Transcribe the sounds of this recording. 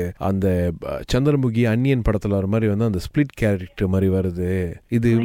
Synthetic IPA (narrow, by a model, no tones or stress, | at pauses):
ɐ̰nd̪ɐt͡ʃɐnd̪ɾɐmʊɣiɐɳːɪjɐnpɐɽɐt̪ːɯlaːɾɐmaːd̪ɾiʋɐnd̪ɯɐnd̪ɐsplɪʈkaːlɾɪʈːɐmaːd̪ɾiʋɐɾɯðɯɪðɯ